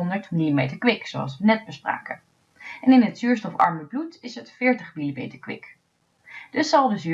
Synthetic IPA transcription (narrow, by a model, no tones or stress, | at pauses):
ndəɹtmilimejtəɹkʋɪksoɑ̰sʋənɛd̚bəspra̰ːkən | ɛnɪnɦətsyːɹstɔfɑ̰ɹməblutɪsɦətfɪːɹtəχmilimḛjtəɹkʋɪ̰k | d̥ɵsːɑlˠdəzy